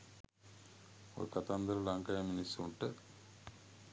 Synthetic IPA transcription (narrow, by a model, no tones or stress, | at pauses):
o̰ɾukɐt̪and̪ɐɾɐlɐŋkɐjɐminisuɳʈə